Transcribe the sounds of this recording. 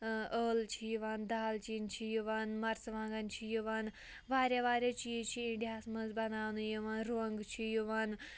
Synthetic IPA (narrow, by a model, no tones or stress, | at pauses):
əːlt͡ʃʰijuʋaːnd̪aːlt͡ʃiːnt͡ʃʰijuʋaːnmɐɾsʋãːŋɡɐnt͡ʃʰijuʋaːn | ʋaːɾʲjaʋaːɾjɐt͡ʃiːt͡ʃʰiiɳɖijaːsmɐzbɐnaːʋnujuʋaːnɾoɐŋɡt͡ʃʰijuʋaːn